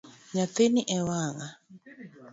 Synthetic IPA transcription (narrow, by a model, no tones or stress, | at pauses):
ɲat̪eniʔɛwaŋa